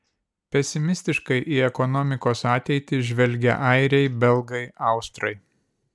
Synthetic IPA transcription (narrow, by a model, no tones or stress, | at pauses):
pʲɛsʲɪmʲɪsʲt̪ʲɪʃkɐɪʔiːɛkɔnɔmʲɪkoːsɑːt̪ʲɛɪt̪ʲɪʒʲʋʲɛlʲɡʲɛ̰ʔɐɪɾʲɛɪbʲɛlˠɡɐɪɐʊst̪ɾɐɪ